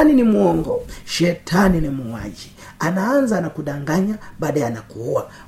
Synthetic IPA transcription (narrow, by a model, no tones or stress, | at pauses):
ninimuɔŋɡɔʃɛtʰaninimuŋwa̰d͡ʒi | anaanzanakuɗaŋɡaɲabaːɗajanakuuwa